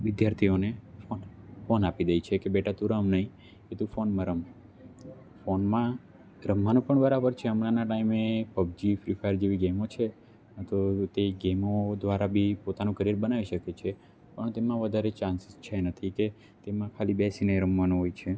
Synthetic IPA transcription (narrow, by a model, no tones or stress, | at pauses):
ʋɪd̪jaɾt̪ʰionefonfonapid̪əjt͡ʃʰekebeʈat̪ũɾəmnəɦĩ | et̪ũfonməɾəm | fonmã | ɾəmʋanõpəɳbəɾabəɾt͡ʃʰeəmɾanaʈaimepəb̚d͡ʒifɾifaəɾd͡ʒeʋiɡemot͡ʃʰe | t̪ot̪eɡemod̪ʋaɾabʱipot̪anũkəɾijəɾbənaʋiʃəket͡ʃʰe | pəɳt̪emãʋəd̪ʱaɾet͡ʃãnsɪst͡ʃʰanət̪ʰike | t̪emãkʰalibɛsinəɾəmʋanõɦojt͡ʃʰe